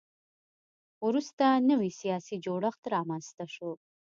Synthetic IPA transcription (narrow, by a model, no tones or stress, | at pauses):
ɾust̪anəwisijɑsid͡ʒoɽəxt̪ɾɑmanst̪aʃo